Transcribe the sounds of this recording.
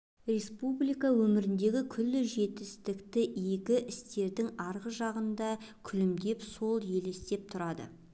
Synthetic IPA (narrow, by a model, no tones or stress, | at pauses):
rʲe̞spublijkɑwɵmɪɾɪnd̪e̞ɡʲɪkʲʰʏlːɪʒe̞t̪ɪst̪ɪkt̪ɪjekʲɪʔɪst̪e̞ɾd̪ɪŋɑɾʁəʒɑʁənd̪ɑkʲʰʏlɪmd̪e̞pso̞lˠje̞lest̪e̞p̚t̪ʰʊɾɑd̪ə̰